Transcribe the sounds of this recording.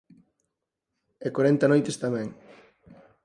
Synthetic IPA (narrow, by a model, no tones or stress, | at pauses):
ekwaɾɛnt̪ɐnojt̪est̪amɛ̃ŋ